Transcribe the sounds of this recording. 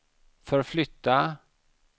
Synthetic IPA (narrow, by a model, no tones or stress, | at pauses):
fœɾflʏt̪ːa